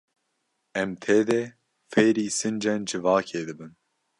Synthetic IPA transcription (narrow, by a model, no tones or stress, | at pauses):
ɛmt̪ʰeːd̪ɛ | feːɾiːsɨnd͡ʒɛnd͡ʒɨvɑːkʰeːd̪ɨbɨn